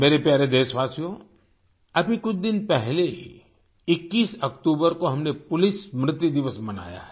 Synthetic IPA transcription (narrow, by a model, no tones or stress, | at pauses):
meːɾepjaːɾed̪eːʃʋaːsijõ | ɐbʱikʊt͡ʃʰd̪ɪnpɛɦleɦḭ | ɪkːiːsɐkt̪uːbəɾkoɦɐmnepʊlɪsmɾɪt̪jud̪ɪʋəsmɐna̰ːja̰ɦɛ